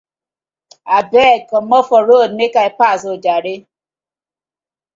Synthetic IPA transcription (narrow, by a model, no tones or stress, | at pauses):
abɛkɔmɔfɔɾodnekaepazod͡ʒaɾɪ